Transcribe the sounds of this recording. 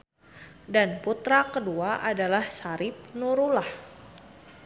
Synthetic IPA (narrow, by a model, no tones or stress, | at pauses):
danput̪ɾakəduaʔadalahsaɾɪp̚nuɾulah